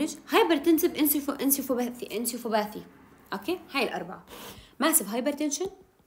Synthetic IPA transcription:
ɪd͡ʒhɑjbɪɾˤt̪ɪnsɪbʔɪnsiʔɪnsiwfbaθiʔɪnsiwfʊbaːθi | ʔokeːhaːjɪlʔɑ̰ɾˤba̰ʕamaʕsɪbɦɑjbɪɾˤt̪ɪnʃɪn

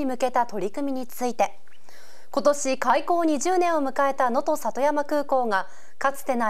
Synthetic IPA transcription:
imɯ̟ke̞t̪at̪o̞ɾʲikɯ̟mʲiɲ̟it͡sɨit̪e̞ | ko̞t̪o̞ɕikaiko̞ːɲ̟iʑɨːnẽ̞ɰ̃omɯ̟kae̞t̪ano̞t̪o̞sat̪o̞jamakɯ̟ːko̞ːŋa | kat͡sɨ̥t̪e̞na

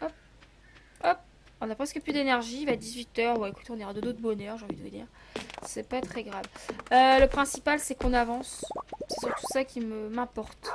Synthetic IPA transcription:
ɔp̚ | ɔp̚ | ɔ̃napχɛskəplyd̪enɛʁʒivad̪izɥit̪œʁwɛeku̥t̪eɔ̃niʁad̪əd̪ot̪χbɔnœʁʒeɑ̃vid̪əəd̪ḭːʁsɛpat̪χɛɡʁavøləpχɛ̃sipalsɛkɔ̃navɑ̃ssɛsyʁt̪u̥sakʲiməmɛ̃pɔʁt̪

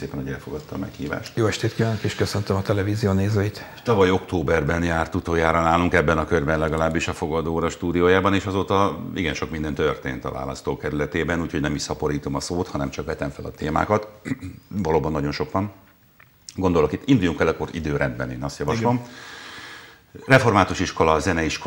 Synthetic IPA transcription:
seːpɛnhoɛlfo̞ɡɒt̪ːɒ̰mɛ̰khḭːva̰ːʃt̪joːɛʃt̪eːt̪kivaːnokeːʃkøsønt̪ømɒt̪ɛlɛviːzijoːneːzoːit̪ | t̪ɒvɒjo̞kt̪oːbɛrbɛnjaːrt̪ut̪oːjaːɾɒnaːluŋkɛbːɛnɒkørbɛnlɛɡɒlaːbːiʃɒfo̞ɡɒd̪oːɾɒʃt̪uːd̪ijoːjaːbɒneːʃɒzoːt̪ɒiɡɛnʃo̞kmind̪ɛnt̪ørt̪ḛːnt̪ɒ̰va̰ːlɒ̰st̪oːkɛɾylɛt̪eːbɛnuːcho̞ɟnɛmiʃsɒpo̞ɾiːt̪omɒsoːt̪hɒnɛmt͡ʃɒkʋɛt̪ɛɱfɛlɒt̪eːma̰ːkɒt̪ | vɒloːbɒnːɒɟo̞nʃo̞kʋɒn | ɡo̞nd̪o̞lo̞kit̪ːind̪ujuŋkɛlɛkːorḭd̪øːɾʔɛnd̪̚bɛnḛːnɒst̪jɒvɒʃlom | rɛfo̞rmaːt̪uʃiʃkolɒzɛnɛiʃko

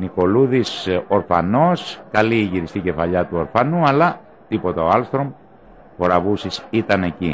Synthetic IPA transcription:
niko̞luðiso̞ɾfɐ̰no̞skɐliːʝiɾist̪ice̞fɐʎɐt̪uoɾfɐnuɐlɐ | t̪ipo̞t̪ɐoɐlst̪ɾo̞m | po̞ɾɐvusisit̪ɐne̞ci

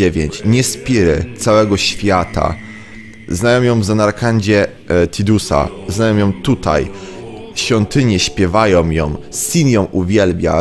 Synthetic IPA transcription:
ɛvʲjeɲt͡ɕɲɛspʲiɾɘ̰t̪sawɛɡɔɕfʲjat̪a̰ | znajɔ̃wjɔ̃w̃vzanaɾkaɲd͡ʑɛ | t̪ʰʲid̪usa̰znajɔ̃w̃jɔ̃w̃t̪ut̪a̰j | ɕfʲɔnt̪ɘɲɛɕpʲjɛvajɔ̃w̃jɔ̰̃w̃sʲinjɔ̃w̃ʔuvʲjɛlbʲja̰

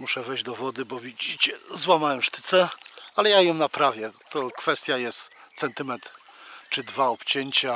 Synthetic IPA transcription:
muʂɛvɛjʑd͡ʑd̪ɔvɔd̪ɘbɔvʲid͡ʑit͡ɕɛzwamawɛmʂt̪ɘ̥t̪sɛalɛjajɔmnapɾavʲjɛt̪ɔkfɛst̪ʲjajɛst̪ | t̪sɛnt̪ɘmɛt̪ | t͡ʂɘd̪vaɔpt͡ɕeɲt͡ɕa

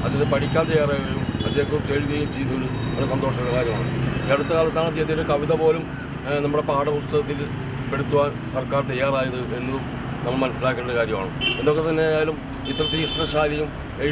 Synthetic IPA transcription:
ɐðɐðɨpɐʈikʲːaːnt̪ɐjːaːraːjɐlumɐd̪ːe̞ːɦɐʋumt͡ɕeːɻuðejumt͡ɕejunːuɭuɐnːɐsɐnd̪o̞ːʂɐnɐnːɐkaːɾjɐmaːɳɨeɽut̪ːɨkaːɭɐt̪ːaːɳɐt̪ːeɐt̪ːijɐɨkɐʋiðɐpo̞ːlum | nɐmːuɽe̞paːɽɐpust̪ɐɣɐt̪ːil | peɽut̪ːuʋaːn | sɐrkaːrt̪ɐjːaːraːjɐðɨʔe̞nːuu | nɐmːɐɭmɐnɐsilaːkːenɳːɐɽɨkaːɾjɐma̰ːɳɨend̪o̞kːet̪ɐnːe̞aːjalum | it̪ːɐrɐt̪ːiiʂʈɐɕaːlɐjum | eɻ

